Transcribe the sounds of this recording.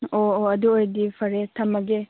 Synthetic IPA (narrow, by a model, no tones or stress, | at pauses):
oɐduojdipʰɐɾetʰɐmɐɡe